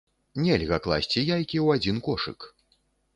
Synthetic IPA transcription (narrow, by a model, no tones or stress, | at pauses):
nʲelʲɣɐklˠa̰sʲt͡sʲijajkʲiwad͡zʲinkɔʂɨ̰k